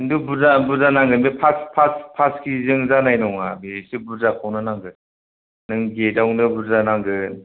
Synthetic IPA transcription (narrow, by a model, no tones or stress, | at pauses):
ndubuzabuzanaŋɡɯmepʰaspʰaspʰaskizɯŋzanajnɔŋabesibuzakʰawnɯnaŋɡɯ | nɯŋɡedawnɯbuzanaŋɡɯ